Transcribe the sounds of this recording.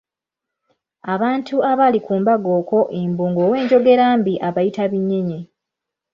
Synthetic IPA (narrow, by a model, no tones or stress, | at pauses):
aβaːntʰuaβalikuːmbaɡo̞ːko̞ʔembuːŋɡo̞ːwe̞ːɲɟo̞ɡe̞ɾaːmbiʔaβajitaβiɲːe̞ɲe̞